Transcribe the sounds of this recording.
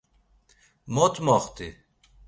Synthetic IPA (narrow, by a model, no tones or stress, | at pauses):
mot̪mɔχt̪i